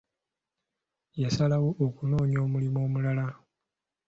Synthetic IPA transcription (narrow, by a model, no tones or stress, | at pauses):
jasalawoʔːkuno̞ːɲo̞ːmulimo̞ːmulala